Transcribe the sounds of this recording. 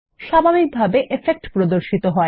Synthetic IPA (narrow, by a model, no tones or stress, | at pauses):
ʃabʱabik̚bʱabeʔefek̚ʈpɾod̪oɾʃit̪oɦɔe